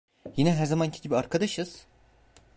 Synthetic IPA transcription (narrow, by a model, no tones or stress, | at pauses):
jinɛɦæɾzamancʰi̥ɟibiaɾkʰad̪aʃɯz̥